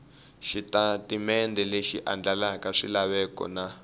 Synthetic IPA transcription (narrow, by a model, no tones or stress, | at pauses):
ʃitatimɛndɛleʃiʔa̰nd͡ɮalakaʂilaβɛkɔ̰na